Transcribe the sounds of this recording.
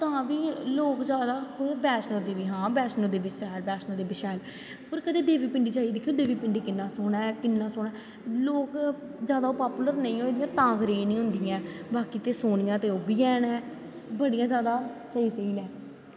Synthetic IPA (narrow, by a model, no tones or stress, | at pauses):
t̪ãːʋiːloːkzjaːd̪aːkobɛːʃnoːd̪eːʋiːɦãːbɛːsnoːd̪eːbisɛːlbɛːsnəːd̪eːbɪʃɛːl | pəɾkəeːd̪eːʋiːpɪɳɖiːt͡ʃaːid̪ɪkʰːjoːd̪eːʋiːpɪɳɖiːkɪnːãːsoːnɛ̃ːkɪnːãːsoːɳɛː | loːk | zjaːd̪aoːpaːpuːləɾnəĩːoːeːd̪ijãːt̪ãːɡɾeːnĩːɦʊ̃nd̪iːãːbaːkiːt̪eːsoːɳɪjãːt̪eːoːbiːɛːnɛ̃ː | bəɽijãːzjaːd̪aːt͡ʃaːiːsəiːlɛ̃ː